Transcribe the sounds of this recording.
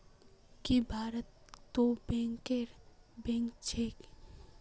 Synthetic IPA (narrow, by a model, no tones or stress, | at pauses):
kibʱaːɾət̪ːobẽŋkeɾbẽŋkt͡ʃʰek